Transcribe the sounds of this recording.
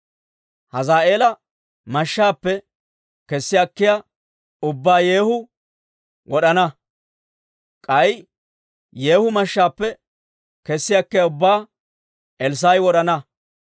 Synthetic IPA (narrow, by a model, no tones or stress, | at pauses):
hɐzaːʔe̞ːlɐ | mɐʃːaːpːɛ | kɛsːɪjɐkːɪja | ʊbːaːjeːhʊ | wɔɗɐnɐ | kʼɐj | je̞ːhʊmɐʃːaːpːɛ | kɛsːɪjakːɪjɐʊbːaː | ʔɛls̬ajwɔɗɐnɐ